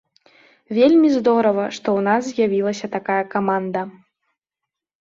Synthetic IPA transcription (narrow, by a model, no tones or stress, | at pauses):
vʲelʲmʲizd̪ɔɾɐvɐʂt̪ɔwnaszʲjavʲilˠɐsʲɐt̪akajɐkamand̪ɐ